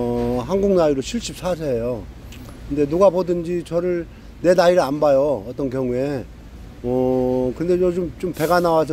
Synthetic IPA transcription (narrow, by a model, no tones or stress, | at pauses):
ɦanɡuŋnaiɾoɕʰiɭɕʰip̚s͈as̬ʰeejo | kɯnde̞nuɡabodɯnd͡ʑit͡ɕʌɾɯɭ | ne̞naiɾɯɭanbajoʌt͈ʌnkjʌŋue̞ | ʌkɯnde̞t͡ɕot͡ɕomt͡ɕompe̞ɡanawasʰʌ